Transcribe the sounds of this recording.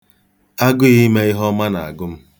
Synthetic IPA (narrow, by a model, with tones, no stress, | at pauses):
a˦ɡʊ˦i˦me˦i˦ɦɔ˦ma˦na̰˨a̰˨ɡʊ˦m̩˦